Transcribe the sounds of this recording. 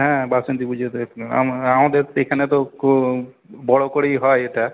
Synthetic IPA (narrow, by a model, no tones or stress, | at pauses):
ɦɛ̃basənt̪ibud͡ʒʱet̪a̰maõd̪eɾekʰanet̪ɔko | bɔɽɔkɔɽeiɦɔjeʈa